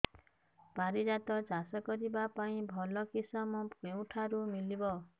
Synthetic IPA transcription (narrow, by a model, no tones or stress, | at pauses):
b̥aɾid͡ʒat̪ɔd͡ʒʱasakɔɾibapaĩbʱɔlɔkisɔmɔ̃pew̃ʈʰaɾumilibɔ